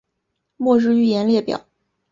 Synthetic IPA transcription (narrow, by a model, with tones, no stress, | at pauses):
mwɔ˥˧ɻɻ̩˥˧y˥˩jɛ˧˥nljɛ˥˩pjɑ̰˨˩˦ʊ